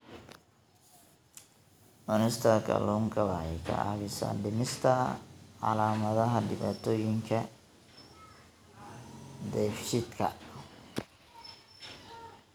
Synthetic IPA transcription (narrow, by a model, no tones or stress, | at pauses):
ʔɔnɛst̪ʰɐkʰɐ̰luŋkʰɐβɐhɛkʰɐ̰a̰βɪsa̰ɖɪmɪst̪ʰɐʕɑ̰laːmɐðɐɦɐɖɪβaːt̪ʰɔːjɪŋkʰɐ | d̪ɛfʃɪd̪kʰɐ̰